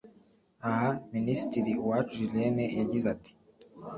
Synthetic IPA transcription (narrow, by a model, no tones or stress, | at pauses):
ahaminisi̥tiɾiwat͡ʃuʒilenejaɟizati̥